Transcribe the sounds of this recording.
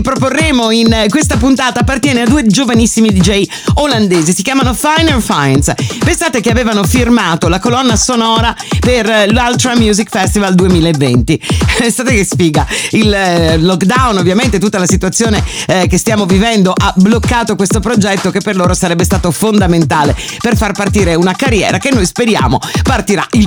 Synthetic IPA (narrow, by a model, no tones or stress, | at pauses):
pɾop̬orːeːmoinkwest̪apunt̪aːt̪aːpːart̪jɛːnead̪uːed͡ʒovanisːimid̪id͡ʒɛj | oland̪eːzisikjaːmanofajnerfajnspensaːt̪ekeaveːvanofirmaːt̪olakolɔnːasonɔːɾaperlalt̪ɾamjuːzikfɛst̪ivald̪uemiːlaevːḛnt̪ipensaːt̪ekespiːɡailːɔkd̪awnovːjament̪et̪ut̪ːalasit̪uat̪sːjoːnekest̪jaːmovivɛnd̪oʔablokːaːt̪okwest̪opɾod͡ʒɛt̪ːokepːerloːɾosaɾɛbːest̪aːt̪ofond̪ament̪aːle | perfarpart̪iːɾeunakarːjɛ̰ːɾakenːojspeɾja̰ːmopart̪iɾa̰il